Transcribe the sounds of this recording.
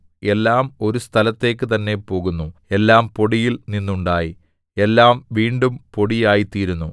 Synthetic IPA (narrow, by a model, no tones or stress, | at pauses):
e̞lːaːmo̞ɾust̪ʰɐlɐt̪ːe̞ːk̬ːɨt̪ɐnːe̞po̞ːɣunːue̞lːaːmpo̞ɽijilninːuɳɖaːji | e̞lːaːmʋiːɳɖumpo̞ɽijaːjit̪ːiːɾunːu